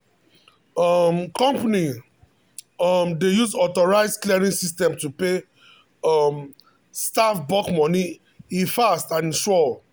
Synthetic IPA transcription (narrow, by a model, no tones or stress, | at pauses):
ɔmkɔ̃mpani | ɔmdejuzɔtɔɹaɪzkliɛɹĩnsistɛ̃mtupe | ɔm | stafbɔkmɔ̃ni | ĩfastãnĩʃɔ